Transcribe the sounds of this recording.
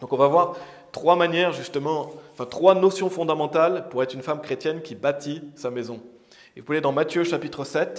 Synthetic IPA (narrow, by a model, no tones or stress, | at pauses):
d̪̥ɔ̃kɔ̃vavwaʁ | t̪χwamanjɛʁʒyst̪əmɑ̃ɑ̃fɛ̃t̪χwanɔsjɔ̃fɔ̃d̪amɑ̃t̪alpuʁɛt̪χynfamkχet̪jɛnkʲibat̪ʰisamezɔ̃ | evupaled̪ɑ̃mat̪jøʃapit̪χəsɛt̪